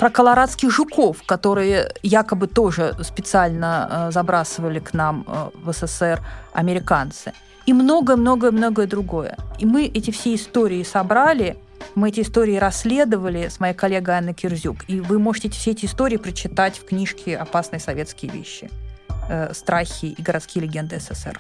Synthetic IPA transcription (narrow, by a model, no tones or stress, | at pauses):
pɾəkəlˠɐɾat̪skʲɪxʐʊko̞fkɐt̪o̞ɾɨjəjakəbɨt̪o̞ʐɨspʲɪt̪sɨalʲnəzɐbɾasəvəlʲɪknam̰vəsɛsɛrɐ̰mʲɪɾʲɪkant̪sɨ | imno̞ɡəjəmno̞ɡəjəmno̞ɡəjəd̪ɾʊɡo̞jə̰imɨʔɛtʲɪfsʲeɪst̪oɾʲɪɪsɐbɾalʲɪ | mɨɛtʲɪst̪o̞ɾʲɪːɪɾɐsʲːlʲe̞d̪əvəlʲɪsmɐjajkɐlʲːeɡəjanːəkʲɪrzʲukivɨmo̞ʐɨtʲɪɛtʲɪ̥fsʲeɛtʲɪst̪oɾʲɪːɪpɾət͡ɕɪt̪atʲfknʲiʂkʲɪɐpasnɨjəsɐvʲe̞t̪skʲɪjəvʲḛɕːɪ̰ | st̪ɾaxʲɪiɡəɾɐt̪skʲijəlʲɪɡʲend̪ɨɛsɛsɛ̰r